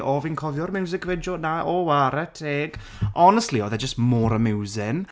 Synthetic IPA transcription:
ʔɔvinkʰɔvjɔrmɛwzɪkʰvɛd͡ʒɔnaʔɔwaɾətʰɛːɡ | ɔnəstliɔðɛd͡ʒəstmoːɾəmɪwzɪn

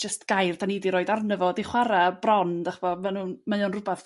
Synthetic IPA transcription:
d͡ʒəstɡ̥ajrdʰanidiɾoːɨdarnəvɔdiχwaɾabrɔnd̥aχb̥ɔmanuːnmajɔnrʊbaθ

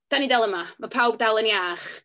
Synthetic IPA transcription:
d̥anidɛlˠəmamapʰawb̚dalˠəniaːχ

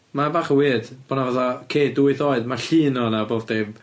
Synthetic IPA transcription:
mabaːχəwɪːdb̥onavaθɔkʰeːdʊɪθoːɨdmaɬɨːnɔnaboːvd̥eb

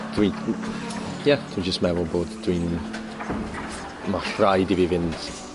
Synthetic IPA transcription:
d̥wi | jɛd̥wid͡ʒəstmɛvɔlˠboːdd̥win | maɬrajdivivɪnd̥

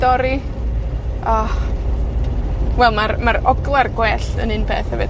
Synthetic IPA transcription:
dɔɾi | a | wɛlˠmaɾmaɾɔɡlˠarɡwɛɬə̰nɨnbḛːθhɛvɨd

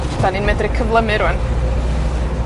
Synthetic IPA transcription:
d̥aninmɛdrɨkʰəvlˠəmɨɾuən

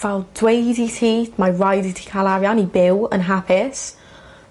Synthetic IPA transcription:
valˠd̥wejditʰiːtmaɹajditʰi̥kʰalˠaɾjanibɪwə̰nɦapʰɪs

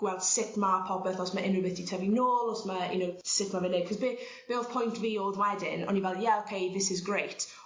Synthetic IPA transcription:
ɡ̥wɛlˠd̥sɪtmapʰɔpɛθɔsməʔɪnəbɪθitʰɛvinoːlˠɔsməjə̰nowsɪtmavɪnekʰɔzbɪ | b̥ɪð̥pʰɔjntviːoðwɛdɪ̰nɔ̰nivɛlˠjɛowkʰejðɪsɪzɡɹejt

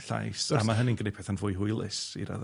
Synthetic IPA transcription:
ɬa̰jsamaɦənɪnɡənejpʰɛθanvʊjɦʊɨlˠɪ̰sḭɾa̰ð

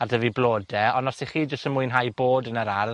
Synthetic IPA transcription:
adəviblˠoːdɛɔnɔsiχiːd͡ʒəstənmuɨnɦajboːdənəɾar

